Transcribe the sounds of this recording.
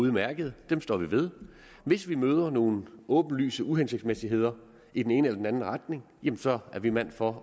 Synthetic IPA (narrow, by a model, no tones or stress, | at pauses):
uðˠmæɐɡ̥əð̞̩ˠd̥emsd̥ɒ̰ːʋiʋe̝ð̞ˠ | ʋe̝sʋimøːð̞ˠɐno̝ːn̩ɔ̽ːb̥n̩ly̰ːsəʔuɦense̝ɡ̥̚d̥smesiɦe̝ð̞̰ˠɐ | id̥ene̝ːnəelɐd̥enænn̩ʁɑd̥ne̝ŋjemm̩sɒ̽æɐʋimæn̰fɒ̽